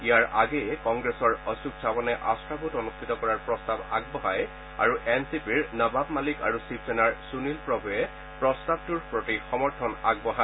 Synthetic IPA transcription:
ijaɹʔaɡejɛkɔŋɡɹesɔɹɔsuksʰabɔnɛʔastɹabutɔnust̪ʰitɔkɔɹaɹpɹɔstaba̰ɡ̚bɔɦaj | a̰ɹuʔɛnsipiɹnababmalika̰ɹusipsɛnaɹsunilpɹɔbɔjɛ | pɹɔstab̚tuɹpɹotixɔmɔɹtʰɔnaɡ̚bɔɦa

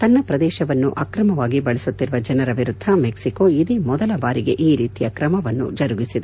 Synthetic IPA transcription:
t̪ɐnːɐpɾɐd̪ɛːʃɐʋɐnːuʔɐːkɾɐmɐʋaːɡibɐɭisut̪ːiɾʋɐd͡ʒɐnɐɾɐʋiɾud̪ʱːɐmeksikoid̪imɔd̪ɐlɐbaːɾiɡe̞̰ʔiːɾiːt̪ijɐkɾɐmɐʋɐnːṵd͡ʒɐɾuɡisid̪e

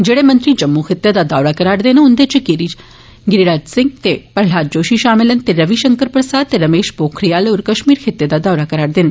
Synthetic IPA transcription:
d͡ʒeːɽemɐ̃nt̪ɾid͡ʒɐmːuxʰɪt̪ːjad̪ad̪aːʋɽakɐɾaːɽd̪enʊnd̪et͡ʃikɪɾid͡ʒ | ɡɪɾiɾaːd͡ʒsɪ̃ŋɡt̪epɐɾl̤aːd͡ʒoːʃiʃaːmɪlənt̪eɾɐʋiʃəŋkəɾpɾəsaːd̪̚t̪eɾɐmeːʃpoːkʰɾijaːloːɾkɐʃmiːɾxʰɪt̪ːjed̪ad̪aːɽakɐɾaːɽd̪ɪn

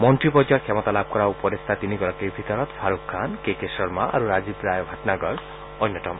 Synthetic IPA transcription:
mɔnt̪ɾipɔd͡ʒɔɾkʰɛmɔt̪alab̚ʱkɔɾaupɔɾest̪ʰat̪iniɡɔɾakejbʱit̪ɔɾɔt̪pʰaɾukʰːankekesɔɾmaʔa̰ɾuɾazibɾajɔbʱatnaɡɔɾ | ɔnːjɔt̪ɔm

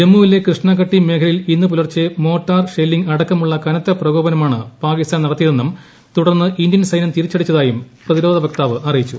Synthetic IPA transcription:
d͡ʑemːuʋile̞krɨʂɳaːkɐʈːime̞ːkʰɐlilinːɨp̬ulɐrt͡ɕːɨmo̞ːʈːaːrʂelːiŋɡɐɽɐkːɐmuɭːɐkɐnɐt̪ːɐprɐɡo̞ːbɐnɐmaːɳɨpaːɡist̪aːnɐɽɐt̪ːijɐðenːum | t̪uɽɐrnːɨʔindjɐnsɐjnɐmt̪iɾit͡ɕːɐɽit͡ɕːɐðaːjumprɐðiɾo̞ːd̪ʱɐʋɐk̚t̪aːʋɨʔɐrijit͡ɕːṵ

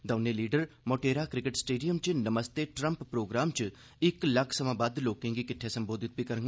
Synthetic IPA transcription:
d̪ɐːneliːɖəɾmoʈeːɾaːkɾɪkeʈsʈeːɖijəmt͡ʃnəməst̪eʈɾə̃mppɾoːɡɾaːmt͡ʃ | ɪklɐkʰsəmãːbaːd̪loːkɪ̃ŋɡikɪʈʰːesɐmboːd̪ʱɪt̪̚bʱikɐɾəŋɡ

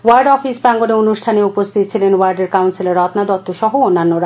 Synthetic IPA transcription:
waɾɖɔfisbaŋɡoneonuʃʈʰaneupost̪ʰit̪ot͡ɕʰilenwaɾɖeɾkawnsilaɾɔt̪nad̪ɔt̪ːoʃɔɦoonːanːoɾa

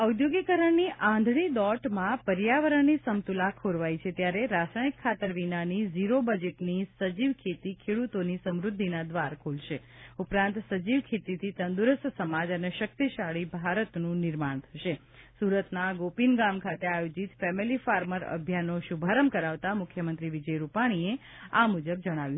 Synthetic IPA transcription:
əwd̪joɡikəɾəɳniʔãnd̪ʱɽ̃id̪ɔʈmãpəɾjaʋəɾəɳnisəmt̪ulakʰoɾʋajt͡ʃʰet̪jaɾeɾasaikʰːat̪əɾʋinaniziɾobəd͡ʒeʈnisəd͡ʒiʋkʰet̪ikʰeɽut̪onisəmɾʊd̪ʱːinad̪ʋaɾkʰulʃe | upɾãnt̪səd͡ʒiʋkʰet̪it̪ʰit̪ənd̪uɾəst̪səmad͡ʒəneʃək̚t̪iʃaɭibʱaɾət̪nũnɪɾmaɳ̃t̪ʰəʃe | suɾət̪naɡopinɡamkʰat̪eajod͡ʒit̪fɛmilifaɾməɾə̰bʱjanːoʃubʱaɾəmkəɾaʋt̪amʊkʰjəmənt̪ɾiʋid͡ʒəjɾupaɽ̃ie | amud͡ʒəb̚d͡ʒəɽ̃aʋjũ

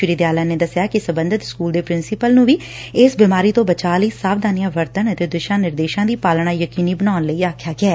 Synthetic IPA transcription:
ʃɾiːd̪jaːlãːneːd̪əsːjaːkɪsəbənd̪ʱət̪skuːld̪eːpɾɪnsɪpəlnũːʋiː | ɪsbɪmaːɾiːt̪õːbət͡ʃaːləiːsaːbd̪aːnɪjãːʋəɾt̪ənət̪eːd̪ʊʃãːnɪɾd̪eːʃãːd̪iːpaːlɳ̃aːjəkiːniːbənaːnləiːaːkʰjaːɡɪɛː

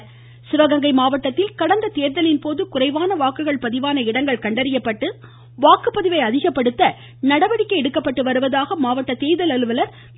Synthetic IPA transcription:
sɪʋɐɣɐŋɡɐɪmaːʋɐʈːɐt̪ːɪlkɐɽɐnd̪ɐt̪eːɾðɐlɪnpoːðɯkʊrɐɪʋaːnɐʋaːkɯɣɐɭpɐðɪʋaːnɐɪɽɐŋɡɐɭkɐɳɖɐɾɪjɐpːɐʈːɯ | ʋaːkɯpːɐðɪʋɐɪɐðɪɣɐpːɐɽɯt̪ːɐ | nɐɽɐʋɐɽɪkːɐɪɛɽɯkːɐpːɐʈːɯʋɐɾɯʋɐðaːɣɐmaːʋɐʈːɐt̪eːjðɐlɐlɯʋɐlɐɾ

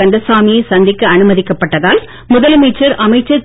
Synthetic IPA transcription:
ɐɳɖɐsaːmɪjɐsɐnd̪ɪkːɐɐnɯmɐðɪkːɐpːɐʈːɐðaːl | mʊðɐlmeːt͡ʃːɐɾʔɐmɐɪt͡ʃːɐɾ

